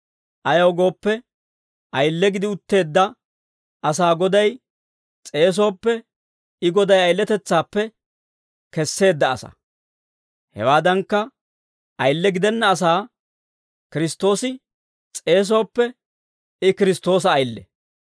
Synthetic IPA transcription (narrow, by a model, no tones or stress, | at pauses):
ʔɐjɐwɡo̞ːpːɛ | ʔɐjlːɛɡɪd̪ɪʊt̪ːe̞ːd̪ːɐ | ɐs̬aːɡɔd̪ɐj | t͡sʼe̞ːs̬o̞ːpːɛ | ɪɡɔd̪ɐjɐjlːɛt̪ɛt͡sːaːpːɛ | kɛsːe̞ːd̪ːɐ̰ːsɐ̰ | hɛ̰waːd̪ɐŋkːɐ | ʔɐjlːɛɡɪd̪ɛnːɐːs̬aː | kɪɾɪst̪ːo̞ːsɪ | t͡sʼe̞ːs̬o̞ːpːɛ | ɪkɪɾɪst̪o̞ːs̬ɐːjlːɛ̰